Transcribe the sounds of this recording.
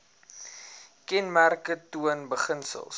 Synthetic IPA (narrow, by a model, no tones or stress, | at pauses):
kɛnmærkətuənbəχənsə̰lˠs